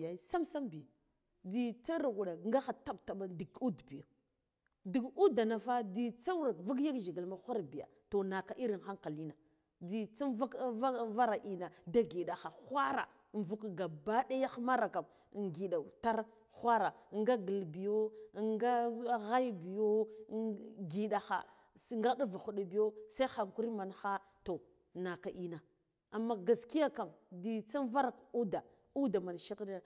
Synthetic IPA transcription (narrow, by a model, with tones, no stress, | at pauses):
ja˨˦sa˦msa˦mbi˨ | di˨t͡sa˦ɾa˨ɡu˨ɗa˨ŋɡa˦xa˨ta˦ɓta˨ɓa˦di˨ɡu˦dbi˨ja˨ | di˨ɡu˦da˨na˨fa˦di˨t͡sa˦ɾa˨kvu˦k̬ja˦ɡʒi˨ɡi˨lma˦xʷa˦ɾbi˨a̰˨ | to˨na˨ka˨ʔi˦ɾi˨nxa˦ŋka˨li˦na˨ | di˨t͡si˦va˦ka˦va˦ɾa˨ʔi˨na˨da˦ɡi˨ɗa˨xa˨xʷa˦ɾa˨ | n˨vu˦kɡa˨ba˦ɗa˦ja˦xma˦ɾa˨ka˨m˨ | ŋɡi˨ɗa˨ta˦ɾ | xʷa˦ɾa˨ŋɡa˦ɡə˨lbi˨jo˦ŋɡa˦ɣa˦jbi˨jo˦ | ɡi˨ɗa˨xa̰˨˦ | ŋɡa˦ɗa˦va˨xu˨ɗa˨bi˨jo˦sa˦i˦xa˨ŋku˦ɾi˦ma˨nxa˦ | to˨ | na˨ka˨ʔi˦na˨ | a˨mːa˦ɡa˨ski˦ja˦ka˨mdi˨t͡sa˦n˦va˦ɾa˨ku˦da˨ | u˦da˨ma˨n˨ʃi˦kn˦